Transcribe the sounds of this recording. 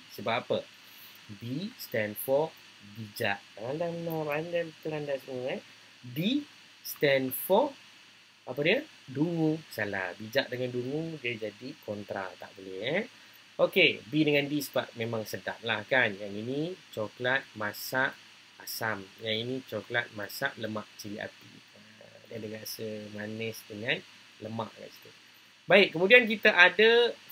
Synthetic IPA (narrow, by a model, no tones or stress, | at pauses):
səbap̚apə | bist̪ɛnfɔ | bid͡ʒaʔtaandanabandalt̪ulandasəmuəa | bi | st̪ɛnfɔ | apədiə | duŋũsala̰bid͡ʒaʔ̚dəŋanduŋudiəd͡ʒadikʰɔnt̪ɾa̰t̪a̰ʔbolɛhɛ | ʔokebidəŋandisə̥baʔ̚mẽmãŋsəda̰m̚lahkanjaŋinit͡ʃɔklat̪̚masaʔ | asamjaŋinit͡ʃɔklat̪̚masa̰ʔləma̰ʔt͡ʃiliʔa̰p̪ḭ | ə | diadəɡasəmanɛsdəŋan | ləma̰ʔɡa̰ʔsi̥t̪u | baɪʔ̚kːəmudiankit̪aʔadə